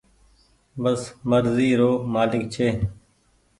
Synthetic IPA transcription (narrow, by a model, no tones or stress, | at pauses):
bəsməɾziːɾoːmaːlɪk̚t͡ʃʰeː